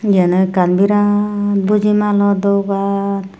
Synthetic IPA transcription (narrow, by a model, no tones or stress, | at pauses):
ɡɛnɯkanbiɾabud͡ʒimalɔd̪ɔwkan